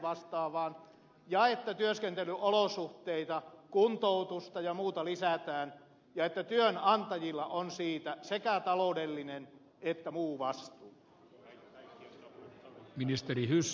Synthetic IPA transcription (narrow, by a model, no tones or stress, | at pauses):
ʋɑst̪ɑːʋɑːn | jɑet̪ːæt̪yøskent̪elyʔolosuht̪eit̪ɑkunt̪out̪ust̪ɑjɑmuːt̪ɑlisæt̪æːn | jɑet̪ːæt̪yønɑnt̪ɑjilːɑʔonsiːt̪æsekæt̪ɑloudelːinen | et̪ːæmuːʋɑst̪uː | minist̪erihys